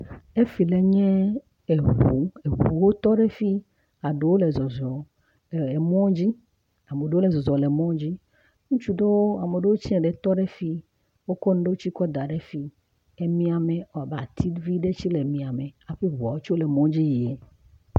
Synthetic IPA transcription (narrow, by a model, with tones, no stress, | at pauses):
e˦fi˨le˨ɲɛ̃˦ | e˨ɦɦu˨e˨ɦu˨wo˦t̪ɔ˦ɖe˦fi˦ | a˨ɖe˨˦wo˦le˨zɔ˨zɔ˨ | e˨mɔ̃˦d͡ʑi˦ | a˨me˨ɖe˦wo˦le˨zɔ˨zɔ˨le˨mɔ̃˦d͡ʑi˦ | ŋũ˦t͡ʃu˦ɖo˦wo˦a˨me˨ɖe˦wo˦t͡ɕi˦ɛ̃˨ɖe˨t̪ɔ˦ɖe˦fi˦ | wo˦kɔ˦nũ˦ɖe˦wo˦t͡ɕi˦kɔ˦d̪a˨ɖe˦fi˦ | e˦mĩ˦a˨me˨o˦a˨ba˨t̪ʰi˦vi˦ɖe˦t͡ɕi˦le˨mĩ˨a˨me˨a˨ɸi˦βu˨a˨wo˦t͡ʃo˦le˨mɔ̃˦d͡ʑi˦ji˨ɛ˨